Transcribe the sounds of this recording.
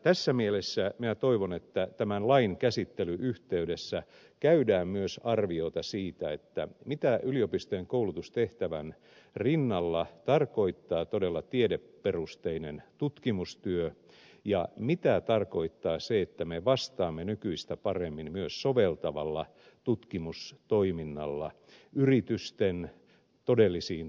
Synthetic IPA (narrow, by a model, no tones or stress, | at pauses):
t̪æsːæmielesːæminæt̪oiʋonet̪ːæt̪æmænlɑiŋkæsit̪ːelyʔyht̪eydesːæ | kæydæːmmyøsɑrʋiot̪ɑsiːt̪æet̪ːæ̰mit̪æʔyliopist̪ojeŋkoulut̪ust̪eht̪æʋæn | rinːɑlːɑt̪ɑrko̞it̪ːɑːt̪odelːɑt̪iedepːerust̪einent̪ut̪kimust̪yø | jɑ̰mit̪æt̪ɑrko̞it̪ːɑːseet̪ːæmeʋɑst̪ɑːmːenykyist̪æpɑremːimmyøssoʋelt̪ɑʋɑlːɑ | t̪ut̪kimust̪oiminːɑlːɑ̰ | yrit̪yst̪en | t̪odelːisiːn